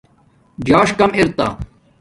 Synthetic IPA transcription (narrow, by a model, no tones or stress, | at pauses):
d͡ʑaːʂkɐmiɾt̪a̰ː